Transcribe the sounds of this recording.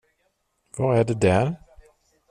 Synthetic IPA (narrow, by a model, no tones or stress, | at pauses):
vɑɾæɖɛd̪æɾ